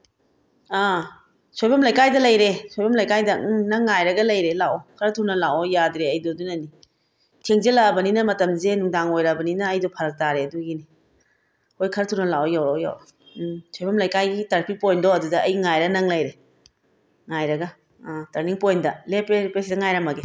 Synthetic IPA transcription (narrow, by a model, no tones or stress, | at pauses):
a | sojbɐmlɐjkajdɐlɐjɾesojbɐmlɐjkajdɐnɐŋːajɾɐɡɐlɐjɾelawɔkʰɐɾɐtʰuɾnɐlawɔjadɾeɐjdodunɐni | tʰeŋzelaːbɐninɐmɐtɐmzenuŋdaŋojɾɐbɐninɐːjdopʰɐɾɐk̚taɾeɐduɡini | hojkʰɐɾɐtʰuɾnɐlawɔjawoja̰w | sojbɐmlɐjkajɡitɐɾpʰik̚pojndoɐdudɐɐjŋajɾɐnɐŋlɐjɾe | ŋajɾɐɡɐ | tɐɾniŋpojndɐlepepesidɐŋajɾamɐɡe